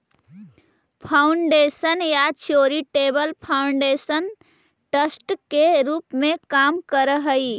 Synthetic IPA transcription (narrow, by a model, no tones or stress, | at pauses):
pʰaʊɳɖesənjat͡ʃoɾiʈebəlpʰaʊɳɖesən | ʈəsʈkeɾuːpmẽkamkəɾəɦəi